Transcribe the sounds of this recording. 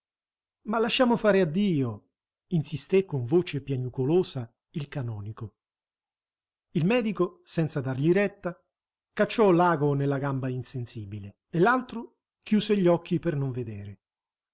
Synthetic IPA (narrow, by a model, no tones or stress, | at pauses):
malːaʃːaːmofaːɾead̪ːiːo | insist̪ekːoɱvoːt͡ʃepjaɲukoloːsa | ilkanɔːniko | ilmɛːd̪ikosɛnt̪sad̪arʎiɾɛt̪ːa | kat͡ʃːɔlaːɡonelːaɡambainsensiːbile | elːalt̪ɾo | kjuːseʎːɔkːipernoɱved̪eːɾe